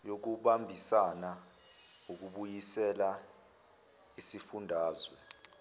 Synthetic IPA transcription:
jok̬uɓambʱisana | uk̬uɓujisɛla | isifundʱaːzwɛ

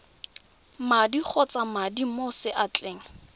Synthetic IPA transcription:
madik͡xʰɔt͡samadimosɪʔat͡ɬʼeːŋ̩

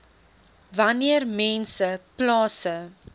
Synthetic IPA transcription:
vɐniərmɛnsəplɑːsə

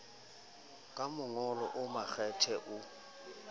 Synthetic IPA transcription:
kʼamʊŋɔlɔ̰ʔʊmaxɛtʰɛʔʊ

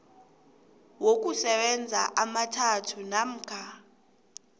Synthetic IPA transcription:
wok̬ʼusɛɓɛnd͡zʱa̰ʔamatʰatʰunam̩ːkʰa

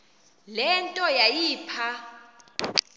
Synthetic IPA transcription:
lɛntʼɔjajiːpʰa

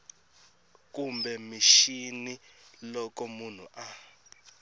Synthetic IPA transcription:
k̬ʼumbɛmiʃinilɔk̬ʼɔmun̤ṵʔa

